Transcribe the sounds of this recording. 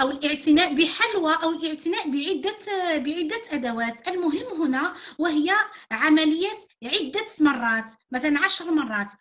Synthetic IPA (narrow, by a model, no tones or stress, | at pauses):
ʔæwəlʔəʕt̪ɪnæʔbəħalwaʔæwəlʔəʕt̪ɪnæʔbiʕɪd̪ːæbəʕɪd̪ːæʔæd̪æwæt̪ʔəlmʊɦəmːɦʊnæwəɦəjːæʕamæləjːæt̪ʕɪd̪ːæmɑrˤːɑːt̪mæt̪ælænʕaʃɾmɑrˤːɑːt̪